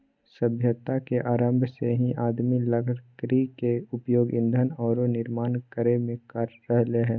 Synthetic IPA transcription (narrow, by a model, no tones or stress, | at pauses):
səbʱjət̪akeʔaːɾəmbʱjəseɦĩʔaːd̪miləɡkɾikeʊpjoːɡɪ̰̃nd̪ʱənɔːɾonɪɾmaːnkəɾemẽkəɾːəɦleɦɛ̃ː